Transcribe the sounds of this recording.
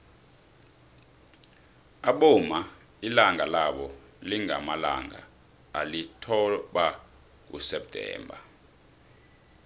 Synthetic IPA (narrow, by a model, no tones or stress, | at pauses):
aɓoma | ilaŋalaɓɔ | liŋa̰mala̰ŋa̰ | alitʰɔɓa | k̬ṵsɛp̚tʰʼɛ̰ːmbʱa̰